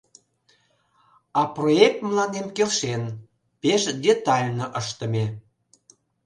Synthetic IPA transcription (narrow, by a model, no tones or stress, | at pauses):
ɑproek̚t̪mlɑnemkelʃen | peʃd̪ʲet̪ɑlʲnəʔəʃt̪əme